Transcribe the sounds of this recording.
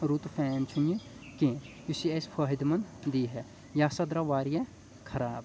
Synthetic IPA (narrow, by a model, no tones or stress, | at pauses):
ɾut̪fʰɛːnt͡ʃʰunjikẽː | jusiɐspʰɐɦid̪mɐnd̪iːɦɛ | jaːsɐd̪ɾaʋaːɾje | kʰɐɾaːb̚